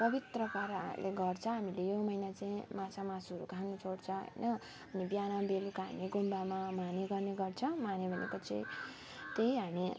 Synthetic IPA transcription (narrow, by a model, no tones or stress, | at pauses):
pʌbit̪rʌpaɾalʔeɡʌrt͡sʰʌ̃ɦamilejomʌjnat͡saĩmãsamasʌɾukanut͡sʰoɽt͡sʰʌɦʌ̰jnʌː | nibjanabelukaniɡombamamaneɡʌrneɡʌrt͡sʰʌmanebʱʌnḛkot͡sa̰ĩ | t̪eiɦami